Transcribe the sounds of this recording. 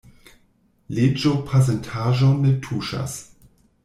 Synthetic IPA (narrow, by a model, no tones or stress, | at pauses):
led͡ʒopʰas̬ɛntʰaʒɔnːetʰuʃa̰s